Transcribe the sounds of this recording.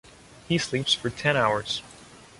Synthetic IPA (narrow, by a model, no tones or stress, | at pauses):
hislipsfə˞tʰɛ̃ɾ̃aʊə˞z̥